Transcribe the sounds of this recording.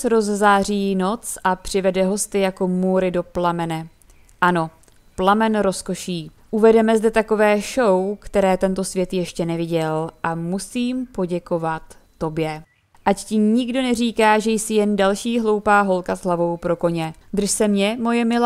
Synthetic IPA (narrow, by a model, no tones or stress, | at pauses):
sɾo̞zzaːr̝iːno̞t͡sʔapr̝̥ɪvɛdɛɦo̞st̪ɪjako̞muɾɪdo̞plamɛnɛ | ʔano̞ | plamɛnɾo̞sko̞ʃiː | ʔuvɛdɛmɛzdɛt̪ako̞vɛːʃowkt̪ɛɾɛːt̪ɛnt̪o̞svjɛt̪jɛʃcɛnɛvɪɟɛlʔamusiːmpo̞ɟɛko̞vat̪ːo̞bjɛ | ʔaccɪɲɪɡdo̞nɛriːkaːʒɛjsɪjɛndalʃiːɦlo̞wpaːɦo̞lkazɦlavo̞wpɾo̞ko̞ɲɛd̪r̩ʃsɛmɲɛmo̞jɛmɪla